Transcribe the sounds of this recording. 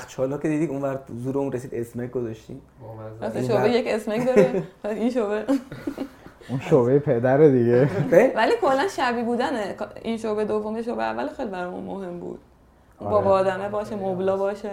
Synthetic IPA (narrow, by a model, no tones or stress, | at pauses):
xt̪̚t͡ʃʰɒːlɒːkʰed̪iːd̪id̪unvæɾzuːɾeunresiːd̪esmek̚ɡozɒʃt̪iːm | ɔseʃobejece̞smekd̪ɒɾepæinʃobe | unʃobejepʰed̪æɾed̪iɡeevæliːkʰo̞lːænʃæbiːbuːd̪ænekinʃoːbed̪ovomjeʃ̬obeævːælxejlibæɾɔːjṵnmoɦe̞mbṵːd̪̥̚ | ʔumbɒːbɒːd̪æmebɒːʃemoblɒːbɒːʃe